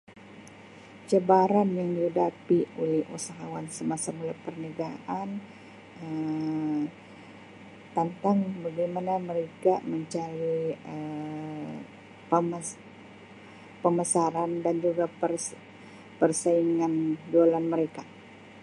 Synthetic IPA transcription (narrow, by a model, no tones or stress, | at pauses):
t͡ʃəbaɾanjaŋdiudapiulɛhṵsaɦawansəmasamulapərnəɡaʔan | ə | t̪ənt̪aŋbaɡajmanaməɾekaməɲt͡ʃaɾiə | ə | pəməsaɾandand͡ʒuɡaər | pərsaiŋandalanməɾeka